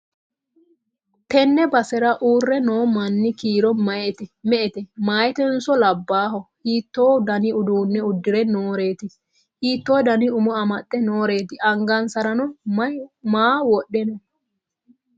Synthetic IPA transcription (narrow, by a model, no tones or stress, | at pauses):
t̪ɛnːɛbɐsɛɾɐʔuːrːɛnoːmɐnːɪkiːɾɔmɐɛt̪ɛmɛʔɛt̪ɛmaːjɛt̪ɛnsɔlɐbːaːɦɔhiːt̪ːoːd̪ɐnɪʊd̪uːnːɛʊd̪ːɪɾɛnoːɾeːt̪ɪ | hiːt̪ːoːd̪ɐnɪʊmɔɐmɐtʼːɛnoːɾe̞ːt̪ɪʔɐŋɡɐnsɐɾɐnɔ | maːwɔɗːɛnɔ